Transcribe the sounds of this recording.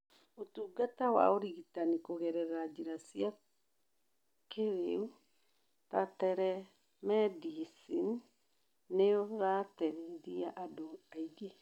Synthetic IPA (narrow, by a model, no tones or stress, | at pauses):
otuːɡatawa̰oɾiɣitanikoɣɛɾɛɾad͡ʒiɾasia | keɾeu | tatɛɾɛ | mɛdisin | neɔɾatɛɾeɾiaʔadoaiɡe